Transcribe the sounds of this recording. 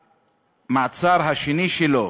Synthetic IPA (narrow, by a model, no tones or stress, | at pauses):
mat͡saɾɦaʃeniʃelo